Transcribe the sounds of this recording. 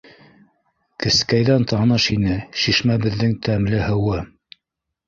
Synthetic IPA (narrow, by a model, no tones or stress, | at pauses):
kɘ̆skæjðænt̪ɑnɤʃinɘʃiʃmæbɘ̆ðːɘŋt̪ʰæmlɘhɤ̆wɤ